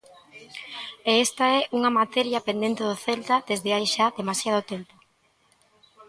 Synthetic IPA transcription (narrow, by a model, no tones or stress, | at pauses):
eest̪aɛʔuŋɐmat̪ɛɾjapend̪ent̪eð̞ʊθelt̪aðezðɪajʃaðemasjað̞ʊt̪empo